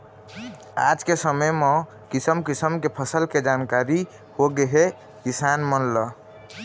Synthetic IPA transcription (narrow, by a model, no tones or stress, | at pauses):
a̰d͡ʒkesəməjmɔ̃ | kisəmkisəmkepʰəsəlked͡ʒankaɾi | hoɡeɦe | kisanmənlə